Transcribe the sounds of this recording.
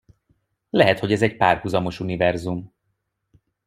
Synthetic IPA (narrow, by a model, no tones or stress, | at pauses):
lɛɦɛt̪ho̞ɟɛzɛɟpaːrhuzɒmo̞ʃunivɛrzum